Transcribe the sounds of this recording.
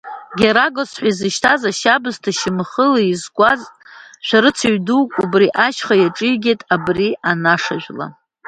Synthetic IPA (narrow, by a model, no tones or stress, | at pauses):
ɡʲaɾaɡosħʷaizɨʃtʰazaʃabɨztʰaʃɪmχəlaizɡʷʼazʃʷᶣaɾɨt͡sʰaɥduwkʼubriʔaʃχajaʈ͡ʂʼɨɡʲetʼabriʔanaʂaʒʷᶣla̰